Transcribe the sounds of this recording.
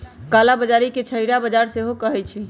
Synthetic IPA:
kalabəd͡ʒaɾiket͡ʃʰəɦiɾabəd͡ʒaɾseɦokəɦɛt͡ʃʰi

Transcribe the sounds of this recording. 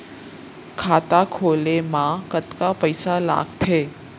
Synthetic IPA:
kʰaːt̪akʰoːlemãkət̪kapəɪsala̰ːɡt̪ʰeː

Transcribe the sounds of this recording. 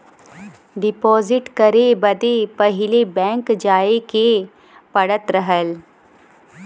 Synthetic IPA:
ɖɪpɔːzɪʈkɐɾebɐd̪epɐɦɪlebɛ̃ːŋkd͡ʒaːeke | pɐɽət̪ɾəɦəl

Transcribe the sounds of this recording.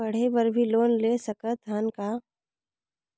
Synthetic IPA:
ɐɽ̤epɐɾbʱiloːnleːsɐkət̪aːnkaː

